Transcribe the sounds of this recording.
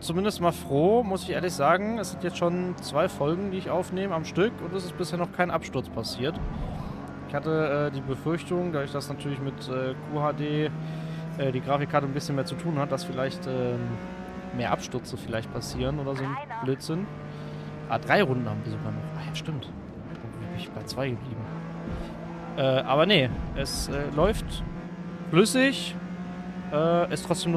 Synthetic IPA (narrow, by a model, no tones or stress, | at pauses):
t͡sumɪndəstmaːlfʁ̥oːmʊsɪçʔḛːɐlɪçz̥aːɡŋ̩ɛsz̥ɪntjɛt͡stʃoːnt͡sv̥aɪfɔlɡŋ̩diːɪçʔaʊfneːməamʃtʏkʊntɛs̬ɪst̚b̥ɪsheːɐnɔχkʰaɪnʔapʃtʊɐt͡spʰasiːɐt | ʔɪçhatəʔɛːdiːbəfʏɐçtʊŋdaːçd̥asnatʰyːɐlɪçmɪtʔɛːkʰuːhaːdeː | ʔɛːdiːɡʁaːfɪkʰːaːtənbɪsçənmeːɐt͡sutʰuːnhat̚d̥asfɪlaɪçtʔɛːm | meːɐʔapʃtʏɐt͡səfɪlaɪçt̚pʰasiːʁənʔoːdɐzʊnb̥løːtz̥ɪn | ʔa̰dʁaɪʁʊndn̩haːmviːɐzoɡaːnɔχʔajaːʃtɪmt | ʔʊntviːhbɪnɪçb̥aɪt͡sv̥aɪɡəbliːbm̩ | ʔɛːʔaːβɐnəʔɛsʔɛːlɔʏft | flʏsɪç | ʔɛːʔɛstʁ̥ɔt͡sd̥eːmnu